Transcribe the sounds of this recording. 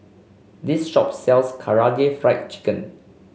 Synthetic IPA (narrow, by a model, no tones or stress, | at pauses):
disʃɔp̚sɛlskʰaɹaɡefɹaɪt̚t͡ʃi̥kə̃n